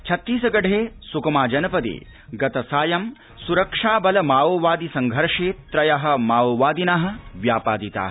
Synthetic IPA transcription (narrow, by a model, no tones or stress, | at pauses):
t͡ʃʰɐt̪ːiːsɐɡɐɖʱeːsukɐmaːd͡ʒɐnɐpɐd̪ḛː | ɡɐt̪ɐsaːjɐm | suɾɐkʂaːbɐlɐmaːʋoːʋaːd̪isɐŋɡʱɐɾʂeːt̪ɾɐjɐɦɐ̆maːʋoːʋaːd̪inaːɦɐ̆ʋjaːpaːd̪it̪a̰ː